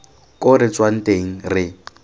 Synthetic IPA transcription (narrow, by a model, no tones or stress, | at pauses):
kʼʊɾɪt͡sʼwan̩tʼeŋ̩rɪ